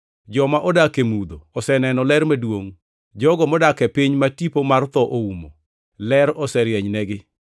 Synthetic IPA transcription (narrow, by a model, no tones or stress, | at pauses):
d͡ʒɔmaʔɔdakemud̪oɔsɛnɛnɔlɛɾmedwoŋ | d͡ʒɔɡɔmɔdakɛpiɲmatipomart̪ɔʔoumo̰ | lɛɾɔsɛɾjɛɲnɛɡɪ